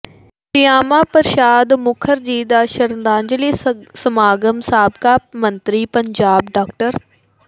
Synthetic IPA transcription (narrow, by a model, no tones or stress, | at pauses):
tɪjaːmaːpəɾʃaːd̪mʊkʰəɾd͡ʒiːd̪aːʃəɾnd̪aːɲd͡ʒəliːsəmaːɡəmsaːbkaːmənt̪ɾiːpəɲd͡ʒaːbɖaːk̚ʈəɾ